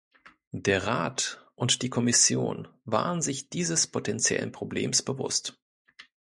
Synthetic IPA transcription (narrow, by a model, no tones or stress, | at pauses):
d̥eːɐʁaːtʔʊntd̥iːkʰɔmɪsjo̰ːnva̰ːʁənzɪçd̥iːzəspʰotʰɛnt͡sjɛ̰lə̰npʁ̥oblḛːmsb̥əvʊ̰st